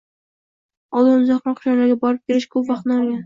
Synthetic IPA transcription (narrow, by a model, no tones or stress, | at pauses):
ɒlˠʊmzɑqmɑnqʰʊ̥ʃanlaɾɡʲabɒɾɪp̚kʲʰeɾɪʃkʰɵpvɑqt̪nɪɒɾɡʲan